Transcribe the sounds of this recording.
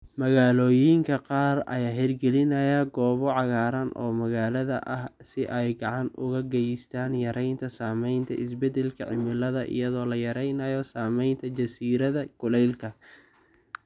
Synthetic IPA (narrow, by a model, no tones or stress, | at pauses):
mɐɣaːlɔːjiːŋkʰɐqɑːrɐ̰jaːɦɛrɡɛlɪnɐjɐɡɔːβɔʕɑɣaːɾɐnʔɔ̰ːmɐɣaːlɐðɐ̰ʔɐhsɪʔɛjɡɑʕɑnʔʊɣɐɡɛjɪst̪ʰaːnjɐɾɛjnt̪ʰɐsaːmɛjnt̪ʰɐɪsbɛd̪ɛlkʰɐʕɪmɪlɐðɐʔɪ̰jɐðɔːlɐjɐɾɛjnɐjɔsaːmɛjnt̪ʰɐd͡ʒɐsiːɾɐðɐɡʊlɛjlkʰɐ